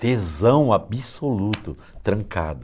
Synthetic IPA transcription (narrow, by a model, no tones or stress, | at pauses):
d̪̥ezɐ̃w̃abisolut̪ʊ | t̪ɾɐ̃ŋka̰d̪ʊ